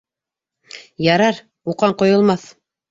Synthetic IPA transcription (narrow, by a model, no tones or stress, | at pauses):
jɑɾɑɾ | uqɑɴqŏjŏlˠmɑθ